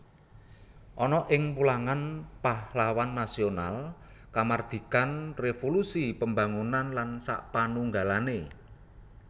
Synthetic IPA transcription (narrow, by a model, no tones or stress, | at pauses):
ʔɔnɔʔɪŋpulaŋanpahlawanːasiona̰lkamard̪̥i̤kanrefolusipəmba̤ŋunanlansa̰ʔpanuŋɡalane